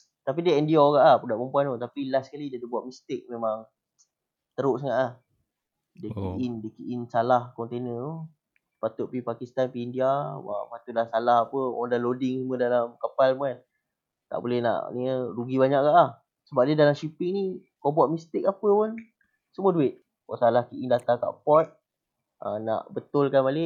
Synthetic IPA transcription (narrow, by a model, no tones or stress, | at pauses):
t̪apidiəɛndiaɡaʔapədaʔpəmpuanot̪apilaskalidiədibuaʔ̪̚mist̪ɪk̚memaŋ | t̪əɾʊʔs̬əŋaʔlah | dəkiʔindəkiʔinsalahkɔnt̪enət̪o | pat̪ʊʔpipakist̪anpiːndiawa̰pat̪udlasalaɦapəa̰dalodɪŋsumədalamkapalmuan | t̪a̰ʔbolɛhna̰ʔniəɾuɡibaɲaʔkaʔlah | səbap̚diədalamʃipɪŋni | kobaʔmist̪ɪk̚apəpan | səmuəduɪt̪̚ | kɔ̰salahkiʔiŋdat̪aka̰ʔpɔt̪̚ | a̰na̰ʔbət̪ʊlkanbalɪʔ